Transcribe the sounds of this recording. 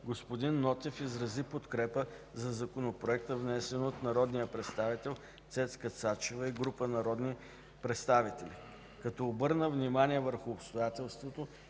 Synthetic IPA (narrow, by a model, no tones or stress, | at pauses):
ɡospod̪inːɔt̪ɛfizɾɐzipot̪kɾɛpəzɐzɐkonopɾoɛkt̪əvnɛsɛnot̪nɐɾɔd̪nijəpɾɛt̪st̪avit̪ɛlˠ | t̪sɛt̪skət̪sat͡ʃevəiɡɾupənɐɾɔd̪ni | pɾɛt̪st̪avit̪ɛli | kɐt̪ɔːbɤɾnəvnimaniɛvəɾxʊːpst̪ojat̪ɛlˠst̪vot̪o